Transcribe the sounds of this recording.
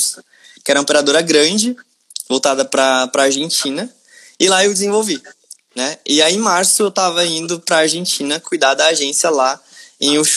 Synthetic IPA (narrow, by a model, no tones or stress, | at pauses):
s | kɪɛɾɐõpeɾad̪oɾɐɡɾɐ̃d͡ʒɪ | vowt̪ad̪ɐpɾɐpɾaaɾʒẽt͡ʃĩnɐ | ɪlaewd͡ʒɪzẽvowvi | nɛɪaẽj̃maɾsʊewt̪avɐĩnd̪ʊpɾɐːɾʒẽnt͡ʃĩnɐkujd̪ad̪ɐːʒẽsiɐlaẽj̃uʃ